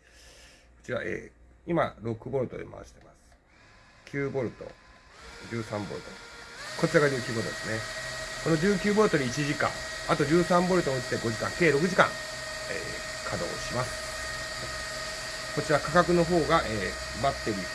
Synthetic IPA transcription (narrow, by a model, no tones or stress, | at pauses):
ko̞̥t͡ɕiɾa̰ʔḛː | ima̰ɾo̞kɯ̟bo̞ɾɯ̟t̪od̪ema̰ɕi̥t̪e̞masɨ̥ | kʲʰɨːbo̞ɾɯ̟t̪o̞̰ | d͡ʑɨːsãmbo̞̰ɾɯ̟t̪oko̞t͡ɕiɾaɡad͡ʑɨːkʲɨːbo̞ɾɯt̪od̪e̞sɨneko̞no̞d͡ʑɨːkʲɨːbo̞ɾɯ̟t̪o̞ɾʲiːt͡ɕiʑikã̰ŋat̪o̞d͡ʑɨːsãmbo̞ɾɯ̟t̪omoɯ̟t͡ɕi̥t̪eɡo̞ʑikã̰ŋke̞ːɾo̞k̬ɯ̟ʑikã̰ŋ | ḛː | kʰad̪o̞̰ːɕimasɨ̥ | ko̞t͡ɕiɾakakakɯ̟no̞ɦo̞ːɡaʔeː | bat̪ːe̞ɾʲi